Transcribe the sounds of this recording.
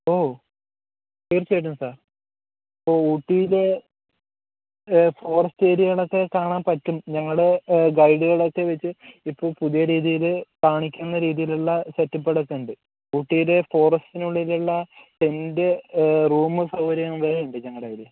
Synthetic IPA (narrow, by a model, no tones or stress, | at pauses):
o̞ː | tiːrt͡ɕeːʈːumsaːr | poːuːʈːijile | fo̞ːrɐsteːɾijɐɭokːe̞kaːɳaːnpɐtːumɲɐŋːɐɭɡɐjɖɨɣɐɭokːe̞ʋet͡ɕːɨipːo̞ːɭpuðijɐɾiːðijilɨkaːɳikʲːunːɐɾiːðijiluɭːɐsetːɐpːeɽɐt̪ːuɳɖɨ | uːʈːijile̞fo̞ːrɐstinuɭːiluɭːɐenderuːmɨsɐwɐɾɐjɐnʋɐɾuɳɖɨɲɐŋːɐɽeːɾiu